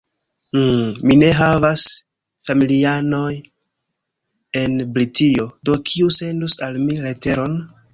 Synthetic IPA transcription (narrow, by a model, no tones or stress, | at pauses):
numine̞ɦavas | familiano̞j | e̞nbɾitiodo̞kʰiuse̞ndusalmilete̞ɾo̞n